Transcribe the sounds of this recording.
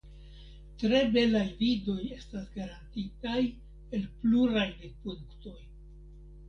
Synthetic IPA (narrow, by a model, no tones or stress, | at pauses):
tɾe̞be̞lajvido̞je̞stasɡaɾantitaj | e̞lpluɾajdepudukto̞j